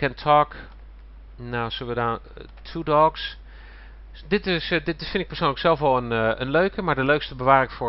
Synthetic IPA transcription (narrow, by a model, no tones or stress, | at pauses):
kɛntʰɔk | nawsəlˠʋədan | tʰudɔks | dɪtɪsdɪtɪfɪndɪkpəɹsownləksɛlˠfʋɑlˠənənløɥkəmaːɹdəløɥkstəbəʋaːrɪŋfʊː